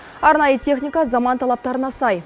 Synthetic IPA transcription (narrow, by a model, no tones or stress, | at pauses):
ɑɾnɑjət̪ʲʰe̞χnʲijkazɑmɑnt̪ʰɑlˠɑp̚t̪ɑɾənɑsɑj